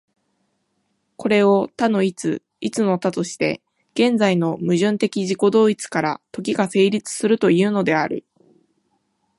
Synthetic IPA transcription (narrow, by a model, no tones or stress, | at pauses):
ko̞ɾe̞o̞t̪ano̞it͡sɨ | it͡sɨno̞t̪at̪o̞ɕi̥t̪e̞̰ | ɡ̥ẽ̞nd͡zaino̞mɯ̟ʑɨ̃nt̪e̞kʲiʑiko̞d̪o̞ːit͡sɨ̥kaɾat̪o̞k̬ʲiɡase̞ːɾʲit͡sɨ̥sɨɾɯ̟t̪o̞ijɯ̟ːno̞d̪e̞aɾɯ̟̰